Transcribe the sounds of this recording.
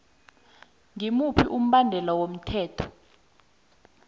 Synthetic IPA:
ŋimupʰiʔum̩ɓandʱɛlawom̩tʰɛːtʰɔ̥

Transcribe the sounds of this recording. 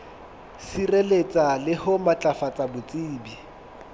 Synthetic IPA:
sirelet͡sʼalɪhʊmat͡ɬʼafat͡sʼabʊt͡sʼiːbi

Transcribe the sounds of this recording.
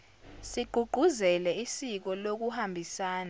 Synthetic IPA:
siɡ͡ǃʱuɡ͡ǃʱuzɛlɛisik̬ɔlok̬uhambʱisaːna

